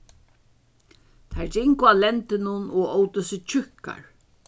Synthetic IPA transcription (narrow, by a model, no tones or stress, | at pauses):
t̪ʰaɹd͡ʒɪŋkʊalɛnt̪ɪnʊnɔɔwt̪ɪsɪt͡ʃʰʏhka̰ɹ